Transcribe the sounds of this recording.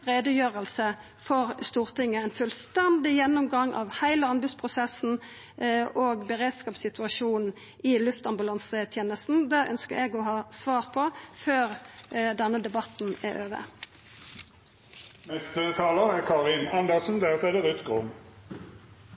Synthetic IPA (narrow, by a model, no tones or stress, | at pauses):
ʁeːd̪əjøːʁəlsə | fɔʁst̪uːʁt̪ɪŋːəɛɪnfʉlst̪ɛnd̪ɪjɛnːʊmɡɑŋʔɑ̰ʋhæɪləɑnbʉspʰʁʊsɛsn̩ | oːɡbəʁeːd̪skɑːpsɪt̪ʉɑʃuːnn̩ | ʔɪlʉft̪ɑmbʉlɑnsət̪ʰjeːnəst̪n̩d̪æʔœ̰nskəʁɛɡɔɦɑːsʋɑːʁpʰɔføːʁd̪ɛnːəd̪ɛbɑt̪n̩æʁøːʋə̰ | nɛst̪ət̪ʰɑːləʁəkʰɑːʁɪnɑnd̪ɛsɔnd̪ɛʁt̪ɛd̪əʁʉt̪ɡʁʊm